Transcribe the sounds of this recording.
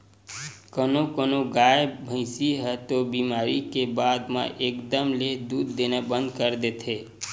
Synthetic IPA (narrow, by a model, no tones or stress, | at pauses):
kənokonoɡajebʱə̃ɪsiɦɛt̪obimaːɾikebaːd̪mã̰ʔeːkd̪əmled̪uːd̪ːenebə̃nd̪kəɾd̪et̪ɦe